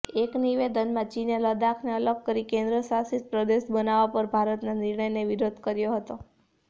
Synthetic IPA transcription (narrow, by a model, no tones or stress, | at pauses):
ekniʋed̪ənmãt͡ʃinjaləd̪akʰneələkkəɾikẽnd̪ɾəsasit̪̚pɾəd̪eʃbənaʋapəɾbʱaɾət̪naniɾɳəjneʋiɾod̪ʱkəɾjoɦət̪o